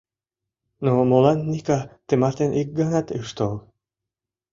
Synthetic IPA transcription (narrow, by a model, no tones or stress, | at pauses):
nomolˠɑnːikat̪emɑɾt̪enʔik̚ɡɑnat̪ɯʃt̪olˠ